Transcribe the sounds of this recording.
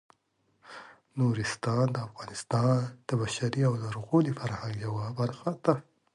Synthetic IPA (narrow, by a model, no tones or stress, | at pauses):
noɾɪst̪ɑnd̪əafɣɑnɪst̪ɑnd̪̥əbaʃaɾiawd̪aɾuɣolifaɾhãŋɡjawabaɾxad̪a